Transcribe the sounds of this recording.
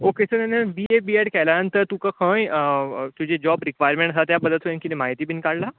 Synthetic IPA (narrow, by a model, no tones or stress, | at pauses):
okesənanəʋiebieɽkɛlanənt̪əɾt̪ũkəkʰə̃jt̪ud͡ʑed͡ʑɔbɾikʋajəɾmẽɳʈsat̪jabəd̪ʱːət̪ɦojãnkinemaɦit̪iːbiːnkaɽla